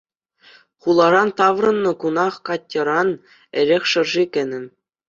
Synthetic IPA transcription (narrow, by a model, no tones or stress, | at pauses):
χulˠɑɾɑnt̪ɑʋrɤ̆nːɤ̆kunɑχkɑtʲːɤ̆ɾɑn | ɘ̆ɾʲexʲʂɤ̆rʐikʲɘ̆nʲɘ̆m